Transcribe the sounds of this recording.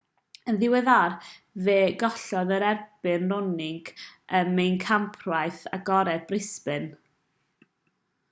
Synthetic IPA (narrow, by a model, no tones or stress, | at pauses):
ənðɪwɛðar | veːɡɔɬɔðəɾɛrb̥ɨnrʊnɪŋɡəmːejnkʰampʰrwajθa̰ɡɔɾɛbrɪspɨn